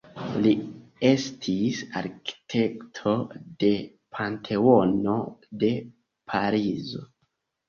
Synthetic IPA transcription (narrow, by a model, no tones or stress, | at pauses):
lie̞stʰisa̰ɾkʰi̥tʰe̞ktʰo̞de̞ | pʰantʰe̞ono̞de̞ | pʰaɾizo̞̰